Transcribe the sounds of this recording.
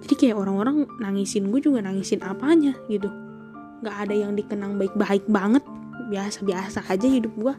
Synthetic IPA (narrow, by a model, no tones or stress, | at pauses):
d͡ʒadikajaʔoɾaŋoɾaŋnaŋisɪnɡuad͡ʒuɡanaŋisɪnapaɲaɡit̪̬u | ŋɡaːdajaŋdikənaŋbaɪk̚baɪk̚baŋət̪̚ | biasabiasaad͡ʒahidʊp̚ɡua